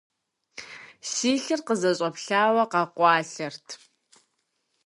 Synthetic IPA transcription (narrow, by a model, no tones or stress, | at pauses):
siːɬɨrqəzɐɕʼɐpɬaːwɐqɑqʷɑːɬɐrtʰ